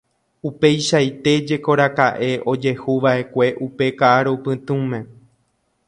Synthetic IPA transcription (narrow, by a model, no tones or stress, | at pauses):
upe̞jʃajt̪e̞d͡ʒe̞ko̞ɾakaʔe̞ʔo̞d͡ʒe̞huʋaʔe̞kʷe̞ʔupe̞kaʔaɾopɨ̃t̪ũmẽ̞